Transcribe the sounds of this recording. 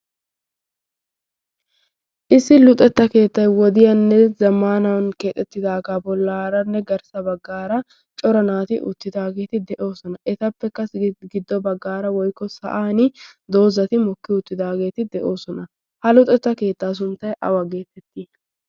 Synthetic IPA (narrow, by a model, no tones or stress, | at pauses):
ʔɪsːɪlʊt̪ʼɛt̪ːɐke̞ːt̪ːɐjwɔd̪ɪjɐnːɛzɐmaːnɐwnke̞ːt̪ʼːɛt̪ːɪd̪aːɡabɔlːaːɾɐnːɛɡɐɾsɐbɐɡːaːɾɐ | t͡ʃʼɔɾɐnaːt̪ɪʔʊ̰t̪ːɪd̪aːɡe̞ːt̪ɪd̪ɛʔo̞ːsɔnɐʔɛt̪ɐpːɛkːɐsɡɪd̪ːɔbɐɡːaːɾɐwɔjkːɔsɐ̰ʔaːnɪd̪o̞ːzɐt̪ɪmɔkːɪʊt̪ːɪd̪aːɡe̞ːt̪ɪd̪ɛʔo̞ːsɔnɐ | hɐlʊt̪ʼɛt̪ːɐke̞ːt̪ːaːs̬ʊnt̪ːɐjʔɐ̰wɐɡeːt̪ːɛt̪ːɪ